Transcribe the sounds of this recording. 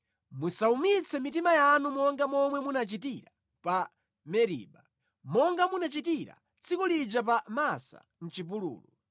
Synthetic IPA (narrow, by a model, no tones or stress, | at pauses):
musaumit͡sʰɛmitimajanumɔŋɡamɔmwɛmunat͡ʃitiɾa | pa | mɛɾḭːɓa | mɔŋɡamunat͡ʃitiɾa̰ | t͡sʰikulid͡ʒap̬amasa̰ | n̩t͡ʃip̬ulṵːlu